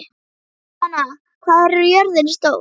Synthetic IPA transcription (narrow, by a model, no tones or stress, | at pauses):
anːa | kʰv̥aːðaɾɛɾʏjœɾðɪnst̪oːw